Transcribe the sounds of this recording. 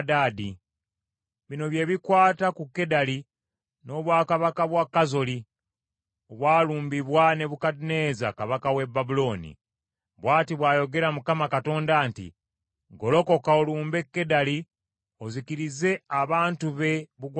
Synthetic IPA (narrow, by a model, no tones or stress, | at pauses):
daːdi | βino̞βje̞βikwaːtakukːe̞dali | no̞βwaːkaβakaβwakːazo̞li | oβwaːluːmbiβwane̞βukadine̞ːzakaβakawe̞bːabulo̞ːnḭ | βwaːtiβwaːjo̞ɡe̞ɾamukamakato̞ːndaːntḭ | ɡo̞lo̞ko̞kaoluːmbe̞kːe̞dali | ozikiɾize̞aβaːntuβe̞βuɡ